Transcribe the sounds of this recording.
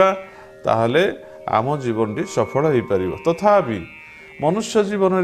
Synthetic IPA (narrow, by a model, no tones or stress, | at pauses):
a | t̪a̰ɦele | a̰mɔd͡ʒibɔnɔʈisɔpʰɔɭɔɦejpaɾiba̰t̪ɔt̪ʰapi | mɔnusjɔd͡ʒibɔnɔɾ